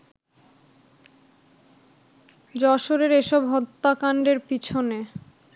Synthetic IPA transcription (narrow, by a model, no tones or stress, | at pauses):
d͡ʑɔʃoɾeɾeʃɔbɦɔt̪ːakaɳɖeɾpit͡ɕʰone